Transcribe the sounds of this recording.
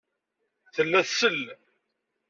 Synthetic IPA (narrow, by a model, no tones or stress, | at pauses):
θəlːæθsəlː